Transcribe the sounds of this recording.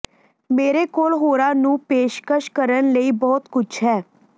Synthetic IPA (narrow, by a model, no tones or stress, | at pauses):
meːɾeːkoːlɦoːɾaːnũːpeːʃkəʃkəɾənləiːbɔːt̪kʊt͡ʃʰɦɛː